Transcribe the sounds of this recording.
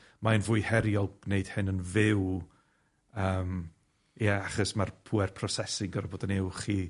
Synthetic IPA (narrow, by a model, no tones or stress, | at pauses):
maənvʊːjhɛɾjɔlˠb̥neɨd̥hɪnənvɪw | əːm | jaaχɔsmarpʰuːɛrpʰrɔsɛsɪŋɡɔɾaboːdənewχiː